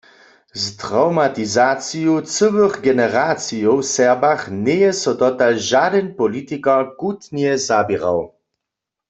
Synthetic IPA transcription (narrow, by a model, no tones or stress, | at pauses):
ztʁawmat̪izat͡sijut͡səwəɣɡɛnɛʁat͡sijowsɛʁbaxnɛjɛsɔdɔt̪alʒadɛnpɔlit̪ikakut̪njɛzabiʁa̰w